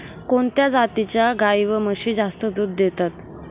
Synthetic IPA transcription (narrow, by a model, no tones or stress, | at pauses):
koɳt̪jad͡zat̪it͡ɕjaɡaiʋəməɕiːd͡zast̪əd̪uːd̪ːet̪at̪